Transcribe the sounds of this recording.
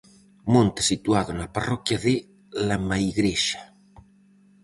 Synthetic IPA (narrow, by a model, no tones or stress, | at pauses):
mõnt̪e̥sit̪uaðonaparɔkjaðe | lamaiɣɾeʃḁ